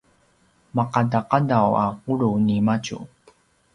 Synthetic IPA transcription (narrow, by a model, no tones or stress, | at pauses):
maqadaqadawaquɭunimacṵ